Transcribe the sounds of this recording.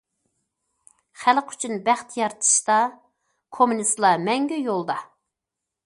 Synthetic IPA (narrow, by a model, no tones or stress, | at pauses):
χælqy̥t͡ʃʰynbæχt̪jɑɾt̪ʰɨ̥ʃt̪ɑ | kʰomunist̪lˠɑmɛŋɡʲyjolˠd̪ɑ